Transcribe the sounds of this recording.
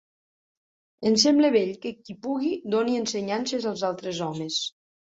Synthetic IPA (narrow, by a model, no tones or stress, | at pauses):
ənsɛmbləβeʎkəkipuɣid̪oniənsəɲansezəlˠzalˠt̪ɾezɔmes